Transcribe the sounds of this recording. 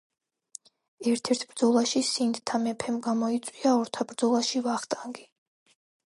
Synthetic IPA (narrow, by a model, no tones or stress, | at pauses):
ɛɾt̪ʰɛɾt̪ʰb̥ɾd̪zɔlˠaʃisind̪t̪ʰamɛpʰɛmɡamɔit̪sʼwiaɔɾt̪ʰabɾd̪zɔlˠaʃivaχt̪ʼaŋɡi